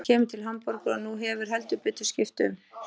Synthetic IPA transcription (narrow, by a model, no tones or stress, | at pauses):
cʰɛːmʏt̪ʰɪlɦampɔɾkʏanuɦɛvʏɾ̥ɦɛlt̪ʏpʏt̪ːʏ̥scɪft̪ʏ̰n